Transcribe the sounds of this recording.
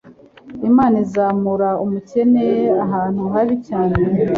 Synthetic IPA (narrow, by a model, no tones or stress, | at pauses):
imaːnizaːmuɾaumuce̞neaɦaːn̥uɦaβicaːne